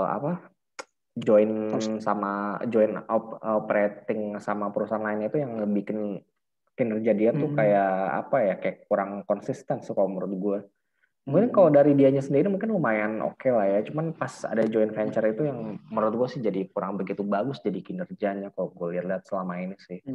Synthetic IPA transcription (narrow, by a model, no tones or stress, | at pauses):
a̰pa | d͡ʒoɪnsamad͡ʒɔɪnɔpɔpɾet̪ɪŋsamapəɾusaanlaɪnit̪ujaŋləbihkən | kinərd͡ʒadiant̪ukajaa̰pajakajakːuɾaŋkɔnsist̪ɛnst̪ukaloməɾʊt̪̚ɡua | mukɪnkaladaɾidiaɲasəndiɾinimuŋkɪnpəmajano̰kelahjat͡ʃumanpasa̰dad͡ʒoɪnfɛɲt͡ʃərit̪ujaŋməɾʊt̪̚ɡuasɪhd͡ʒadikuɾaŋbəɡit̪ubaɡʊsd͡ʒadikinərd͡ʒaɲakalɡualiat̪liɦat̪̚səlamainisɪh